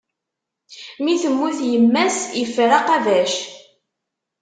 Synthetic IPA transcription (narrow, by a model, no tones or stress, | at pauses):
miθəmːuθjəmːæsifɾaqɑðæʃ